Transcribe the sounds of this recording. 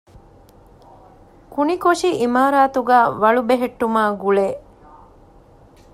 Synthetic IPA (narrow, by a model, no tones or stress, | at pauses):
kunikoʂiʔimaːɾaːt̪uɡaːʋɐɭubeɦeʈːumaːɡuɭeː